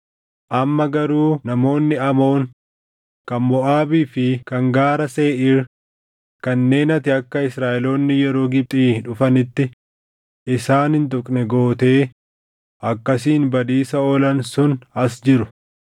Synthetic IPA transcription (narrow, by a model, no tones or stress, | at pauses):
ʔɐmːɐɡɐɾuːnɐmo̞ːnːɪɐmo̞ːŋ | kɐnmɔʔaːbiːfɪkɐŋɡaːɾɐse̞ːʔɪɾ | kɐnːe̞ːnɐt̪ɪɐkːɐɪsɾaːʔɛlo̞ːnːɪjɛɾo̞ːɡɪb̚t̪ʼiːᶑʊfɐnɪt̪ːɪ | ɪsaːnhɪnt̪ʊkʼnɛɡo̞ːt̪e̞ː | ʔɐkːɐsiːnbɐd̪iːsɐɔːlɐnsʊnɐsd͡ʒɪɾʊ